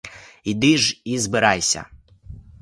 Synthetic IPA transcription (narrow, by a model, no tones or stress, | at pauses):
id̪ɪʐizbɨɾajsʲɐ̰